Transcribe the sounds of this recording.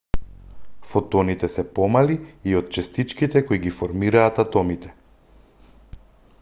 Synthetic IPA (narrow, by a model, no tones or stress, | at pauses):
fɔt̪ɔnit̪ɛsɛpɔmaliiot̪̚t͡ʃɛst̪it͡ʃkit̪ɛkoiɡifɔɾmiɾaːt̪at̪ɔmit̪ɛ